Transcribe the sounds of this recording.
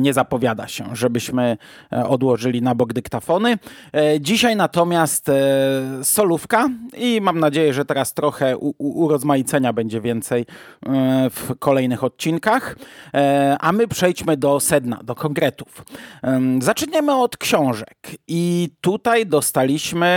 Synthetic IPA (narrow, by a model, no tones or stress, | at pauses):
ɲɛzapɔvʲjad̪a̰ɕɛ̰ʐɛbɘɕmɘ | ɔd̪wɔʐɘlʲinabɔɡd̪ɘkt̪afɔnɘd͡ʑiɕajnat̪ɔmʲjast̪ | sɔlufkaimamnad͡ʑejɛʐɛt̪ɛɾast̪ɾɔxɛʔuʔːɾɔzmajit̪sɛɲabɛɲd͡ʑɛvʲjɛnt̪sɛj | fkɔlɛjnɘxɔt̪̚t͡ɕinkax | ʔamɘpʂɛjt͡ɕmɘd̪ɔsɛd̪na̰d̪ɔkʰɔŋɡɾɛt̪u̥f | zat͡ʂɲɛmɘɔt̪kɕɔ̃w̃ʐɛkit̪ut̪ajd̪ɔst̪alʲiɕmɘ